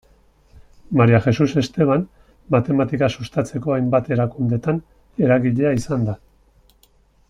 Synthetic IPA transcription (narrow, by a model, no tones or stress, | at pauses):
maɾiaxe̞suse̞st̪e̞β̞an | mat̪e̞mat̪ikasust̪at͡se̞ko̞ajmbat̪e̞ɾakund̪e̞t̪an | e̞ɾaɣiʎe̞aisand̪a